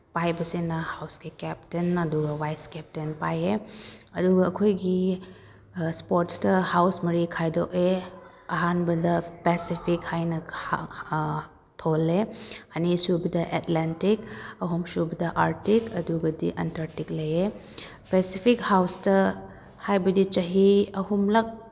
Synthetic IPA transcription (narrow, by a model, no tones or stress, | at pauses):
pajbɐsinɐhawsɡikɛp̚tenɐduɡɐwajskɛp̚tenpajeɐduɡɐːkʰojɡi | spoɾtstɐhawsmɐɾikʰajdoke | ɐɦanbɐdɐpesipʰikhajnɐ | tʰoleɐnisubɐdɐʔetlentikɐɦumsubɐdɐʔaɾtikɐduɡɐdiʔɐntɐɾtik̚lɐje | pesipʰik̚hawstɐ | hajbɐdit͡ʃɐɦiɐɦumlɐk̚